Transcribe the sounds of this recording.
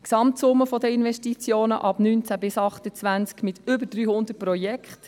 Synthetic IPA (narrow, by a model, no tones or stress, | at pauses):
ksɑmt̪sʊmːəfɔd̪əɪnʋɛʃtit͡sjoːnə̰ʔɑb̥nyːnt͡sæbɪsɑχt̪ət͡sʋænt͡skmɪt̪ʏbəɾd̥ɾyːhʊnd̪əɾpɾɔjɛkχt